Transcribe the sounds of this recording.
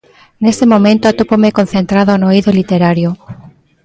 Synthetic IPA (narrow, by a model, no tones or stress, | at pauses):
nest̪emomẽnt̪oat̪opomekon̟θent̪ɾaðoanoiðolit̪eɾaɾjo